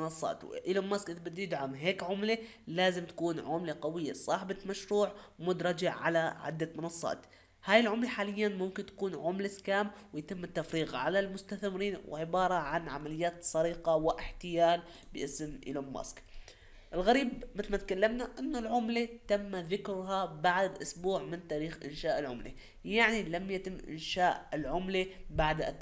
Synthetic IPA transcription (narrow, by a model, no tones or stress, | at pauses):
nɑsˤːɑ̰ːt̪w̰ʔɪlomːaskʔɪðbɪd̪ːjɪd̪ʕamɦeːkʕʊmle | laːzɪmt̪ḁkuːnʕʊmleqɑwɪjːesˤɑːħbamaʃɾuːʕwmʊd̪ɾˤɑd͡ʒaʕʕa̰laʕɪ̰d̪ːamɪnɑsˤːɑ̰ːt̪ | haːjɪlʕʊmleħaːlɪjːanmʊmkɪnt̪ḁkuːnʕʊmleskaːmwɪjt̪ɪmːɪt̪ːafɾiːɣʕa̰lalmʊst̪aθmɪɾiːnwɪ̰ʕɪbɑːɾˤɑʕanʕamalɪjːaːt̪sˤɑɾiːqɑwɪʔɪħt̪ɪjaːl | bɪʔɪsmʔɪ̰lomːa̰sk | ʔɪlɣaɾiːbmɪt̪ɪlmat̪̚kalːamnaʔɪnːʊlʕʊmlet̪amːðɪkɾʊɦabaʕd̪ʔʊsbuːʕmɪnt̪aːɾiːxʔɪnʃaːʔɪlʕʊmlḛ | jaʕnilamjat̪ɪmːʔɪ̰nʃaːʔɪlʕʊmlebaʕd̪